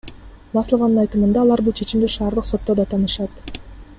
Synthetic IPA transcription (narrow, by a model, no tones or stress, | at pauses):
mɑslˠovɑnɯnɑjt̪ɯmɯnd̪ɑːlˠɑɾbulˠt͡ʃʰe̞t͡ʃimd̪iʃɑːɾd̪ɯqso̞t̪ːod̪ɑt̪ʰɑnɯʃɑt̪